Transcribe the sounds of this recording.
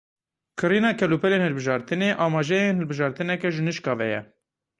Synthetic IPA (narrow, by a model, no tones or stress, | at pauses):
kʰɨɾiːnɑːkʰɛlupɛleːnhɨlbɨʒɑːɾt̪ɨneːʔɑːmɑːʒɛjenhɨlbɨʒɑːɾt̪ɨnɛkɛʒɨnɨʃkɑːvɛjɛ̰